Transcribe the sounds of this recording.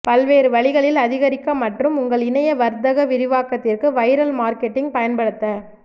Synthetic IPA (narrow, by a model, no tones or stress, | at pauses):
pɐlʋeːɾɯʋɐɭɪɣɐɭɪlɐðɪɣɐɾɪkːɐmɐʈrɯmʊŋɡɐɭɪnɐjɐʋɐɾd̪ɐɣɐʋɪɾɪʋaːkːɐt̪ːɪrkɯʋɐɪɾɐlmaːɾkɛʈːɪŋɡpɐjɐnpɐɽɯt̪ːɐ